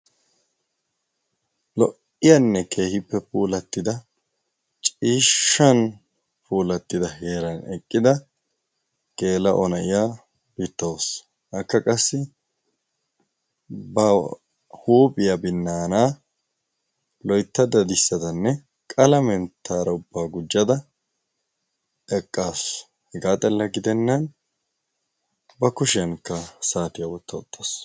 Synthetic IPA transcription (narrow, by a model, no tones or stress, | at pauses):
lɔʔ | ɪjɐnːɛkʰe̞ːhɪpːɛpuːlɐt̪ːɪd̪ɐ | t͡ʃʼiːʃːɐn | pʰuːlɐt̪ːɪd̪ɐheːɾɐnɛkʼːɪd̪ɐ | ɡ̥e̞ːlɐ̰ʔɔnɐʔɪjaː | b̥iːt̪ːɐwos | ʔɐkːɐkʼɐsːɪ | bɐ | huːpʼɪjabɪnːaːnaː | lɔjt̪ːɐd̪ɐd̪ɪsːɐd̪ɐnːɛ | kʼɐlɐmɛnt̪ʰːaːɾɐʊbːaːɡʊd͡ʒːɐd̪ɐ | ɛkʼːaːs | hɛɡaːt̪ʼɛlːɐɡɪd̪ɛnːɐn | bɐkʊʃɪjɐnkːɐsaːt̪ɪjɐwɔt̪ːɐɔt̪ʰʼːas